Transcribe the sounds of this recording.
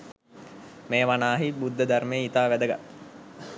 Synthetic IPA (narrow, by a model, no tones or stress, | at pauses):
meːʋanaːɦibud̪ːəd̪armejit̪aːʋæd̪əɡa̰t̪ː